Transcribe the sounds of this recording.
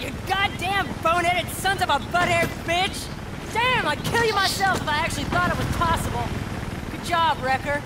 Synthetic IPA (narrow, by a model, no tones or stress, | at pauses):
jɨɡɑt̚d̥æ̃ɱfõʊ̃ñɛɾɨtsʌ̃ntʌvəbʌɾɛɹdfɪt͡ʃ | d̥æ̃maɪkʰɪlˠjɨmaɪsɛlˠfaɪæk̚t͡ʃʉl̩ˠiθɔɾɨt̚wʌz̥pʰɑsəbl̩ˠkɨd͡ʒɑbɹɛkə˞d̥